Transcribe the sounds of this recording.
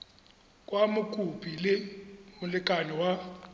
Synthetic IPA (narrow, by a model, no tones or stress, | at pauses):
kʼwamukʼupʰʼilɪmʊlɪkʼanɛwa